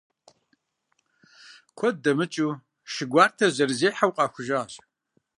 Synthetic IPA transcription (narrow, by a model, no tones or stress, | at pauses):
kʷʰɔdɐmɨt͡ʃʼuː | ʃɪɡʷaːrtʰɐʑɐrzeːħawqʼɑːxʷʊʒaːɕʼ